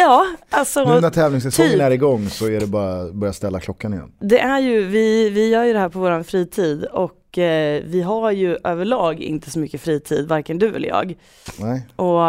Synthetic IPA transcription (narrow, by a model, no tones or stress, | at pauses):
jɑːalsɔnæt̪ʰɛːvlɪŋsɛsɔŋːənæɾɪɡɔŋːsɔæɖɛbɑːɾabœɾjast̪ɛlːakʰlɔkːanɪjɛ̰nːd̪ɛʔæɾjɵvɪvɪjœːɾjɵd̪ɛɦæːɾpʰɔvoːɾanfɾiːt̪ʰiːd̪ɔkːvɪɦaɾjɵʔøːvəɭɑːɡɪ̰nt̪əsɔmʏkːəfɾiːt̪ʰḭːd̪vaɾkənd̪ɵvɪ̰ljɑ̰ːɡ | nɛʔɔ